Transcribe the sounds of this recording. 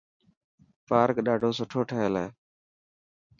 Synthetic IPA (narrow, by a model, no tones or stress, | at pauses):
paːɾkɗaːɖʱoːsʊʈʰoːʈʰəɦeːleː